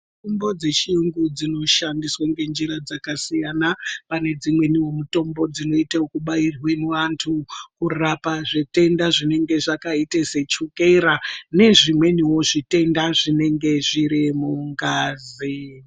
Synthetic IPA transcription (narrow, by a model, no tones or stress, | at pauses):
tombo̞d͡ze̞t͡ʃiuŋɡud͡zino̞ʃandiswaŋɡe̞nd͡ʒiɾad͡zakasijanapane̞d͡zimwe̞niwo̞muto̞mbo̞d͡zino̞itaokuɓairweniʋantʰukurapaʐite̞ndaʐine̞ŋɡe̞ʐakaiteset͡ʃuke̞ɾane̞ʐimwe̞niwo̞ʐite̞ndaʐine̞ŋɡe̞ʐiɾimuŋɡaːzi